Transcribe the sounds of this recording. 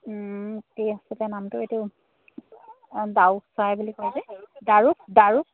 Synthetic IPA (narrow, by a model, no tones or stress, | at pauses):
kejasɛtɛnamtʊetiʊ | dawsajbulikoɹizɛdaɹuk̚daɹuk̚